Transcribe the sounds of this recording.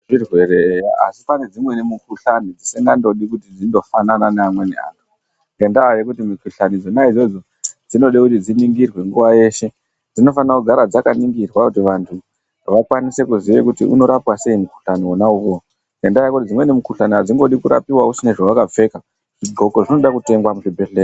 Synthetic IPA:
irwe̞ɾeaa̰si̥pane̞d͡zimwe̞nemukuɬanid͡zisiŋɡando̞ɗikutid͡zindo̞fanananaːmwe̞nḛa̰ːntʰu̥ | ŋɡendajekutimukuɬanid͡zonaid͡zo̞d͡zo̞ | d͡zino̞ɗekutid͡ziniŋɡirwe̞ŋɡuʋaje̞ʃe̞ | d͡zino̞fanakuɡʱaɾad͡zakaniŋɡirwakutiʋantʰu | ʋakwanise̞kuziʋe̞kutiʔṵno̞ɾapwase̞imuku̥ɬaniwonauʋo | ŋɡendajakutid͡zimwe̞nemukuɬaniad͡ziŋɡo̞ɗikuɾa̰piwausineʐawakap͡fe̞ka | ʐ̥iɡʱo̞koʐino̞ɗakute̞ŋɡwamuʐibʱe̞ɬeːr

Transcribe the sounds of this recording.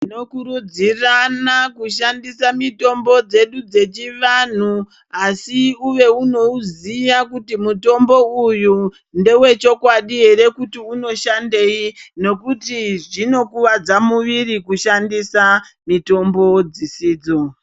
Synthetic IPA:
ino̞kuɾud͡ziranakuʃ̬andisamito̞mbo̞d͡ze̞ɗud͡ze̞t͡ʃiʋan̤u | asiuʋe̞uno̞uzijakutimuto̞mbo̞uju | nde̞we̞t͡ʃo̞kwaɗiɦe̞ɾe̞kutiuno̞ʃandeino̞kutiʐino̞kuʋad͡zamuʋirikuʃandisa | mito̞mbo̞d͡zisiːd͡zo

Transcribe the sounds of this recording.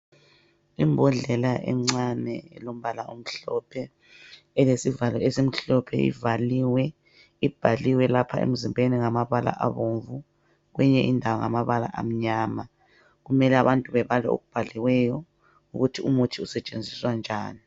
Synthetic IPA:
imbʱɔɮɛlaʔɛ̰ŋ͡ǀanɛ̰lom̩βalaom̩ɬɔ̰pʰɛː | lesivalɔesim̩ɬɔpʰɛ̰ḭvaliwɛ | ib̥ʱaliwɛlapʰaḛm̩zimbʱeniŋamaβala̰ʔaβoɱvu | ɣwɛɲɛʔindʱawaŋamaβala̰ʔa̰m̩ɲaːma | ɣumɛlɛaβantʼuβɛβalɛ̰o̰ɣub̥ʱaliwɛjɔ | uɣutʰiumutʰiusɛt͡ʃʼend͡zʱiswand͡ʒʱaːni

